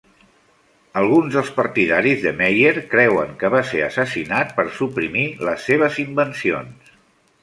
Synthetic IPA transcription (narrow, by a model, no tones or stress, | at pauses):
əlˠɣunzðəlˠspəɾt̪iðaɾizðəmejeɾkɾɛwəŋkəβ̞aseəsəsinat̪̚pəɾsupɾimiləsːeβ̞əzimbənsio̰ns